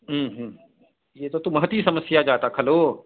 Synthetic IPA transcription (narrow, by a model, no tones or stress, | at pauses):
ɦəːɦː | jeːt̪ot̪umɐɦt̪isɐməsjad͡ʒaːt̪akʰɐloː